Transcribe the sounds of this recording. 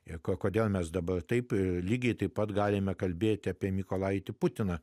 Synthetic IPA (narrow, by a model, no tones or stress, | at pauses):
ɪkokoːd̪ʲeːlˠmʲɛsd̪ɐbɐrt̪ɐɪplʲiːɡʲɛɪt̪ɐɪppɐt̪ɡɑːlʲɪmʲɛkɐlʲbʲeːt̪ʲɑːpʲiɛmʲikoːlˠɑːɪt̪ʲɪpʊt̪ʲɪnɐ